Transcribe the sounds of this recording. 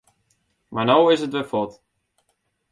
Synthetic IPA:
maːnowɪsətʋəfɔt

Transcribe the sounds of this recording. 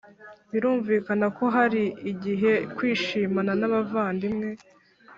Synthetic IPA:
iɾuːɱviːkanako̞ɦaɾiːɟiɦe̞kwiːʃiːmananaβavaːndimŋe̞

